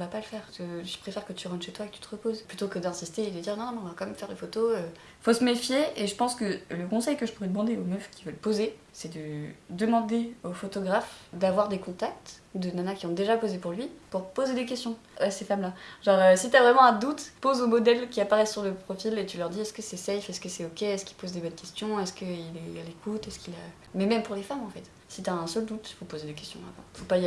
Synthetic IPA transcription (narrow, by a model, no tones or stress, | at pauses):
vapaləfɛːʁkəʒ̥əpχefɛʁkət̪yʁɑ̃nʃet̪waekət̪y̥t̪əʁəpozplyt̪okəd̪ɛ̃sist̪eːd̪əd̪iʁnɔ̃ɔ̃mɛɔ̃vakɑ̃mɛmfɛʁlefot̪oø | fosəmefjeeʒəpɑ̃skələkɔ̃sɛjkəʒəpuʁɛd̪əmɑ̃d̪eomœfkʲivœlpoze | sɛd̪əd̪əmɑ̃d̪eofot̪ɔɡʁafd̪avwaʁd̪ekɔ̃t̪ak̚t̪d̪ənanakʲiɔ̃d̪eʒapozepuʁlɥipuʁpozed̪ek̬ʲɛst̪jɔ̃ | asefamlaʒɑ̃ʁøsit̪yavʁɛmɑ̃ɛ̃d̪ut̪pozomɔd̪ɛlkʲiapaʁɛsːyʁləpχɔfilet̪ylœʁd̪iɛskəsɛsɛjfɛskəsɛokʲeɛskʲi̥lpozd̪ebɔnkʲɛst̪jɔ̃ɛskəilɛalekʰut̪ɛskʲila | mɛmɛmpuʁlefamɑ̃fɛt̪ | sit̪yaɛ̃sœld̪ut̪fopozed̪ekʲɛst̪jɔ̃abɔ̰̃fopa